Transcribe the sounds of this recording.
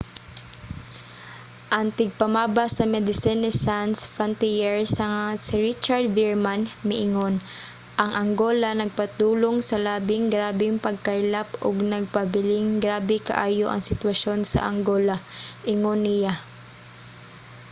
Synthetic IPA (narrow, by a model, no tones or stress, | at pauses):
ʔɐŋt̪ɪɡ̚pɐmaːbasɐmɛd̪ɪsinɪsansfɾont̪ijɛɹsɐŋasɪɾit͡ʃaɹd̪viɹmanmɛʔɪŋo̞n | ʔɐŋʔɐŋɡoːlɐnɐɡ̚pɐt̪uːlo̞ŋsɐlaːbɪŋɡɾaːbɪŋpɐɡ̚kajlapoɡnɐɡ̚pɐbɪlɪŋɡɾaːbɛkɐ̰ʔaːjo̞ʔɐ̰ŋsɪt̪wɐʃo̞nsɐ̰ʔɐŋɡo̞ːlaʔɪŋonːɪja